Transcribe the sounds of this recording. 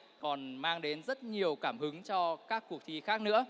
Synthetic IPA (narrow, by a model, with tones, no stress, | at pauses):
kɔ˨˩nmaː˧ŋɗe˨˦nzə˦˥t̚ɲi˨˩əwkaː˧˩mhɨ˨˦ŋt͡ɕɔ˧kaː˦˥kːu˨˩ək̚t̪ʰi˧xaː˦˥k̚nɨ̰˧˥ə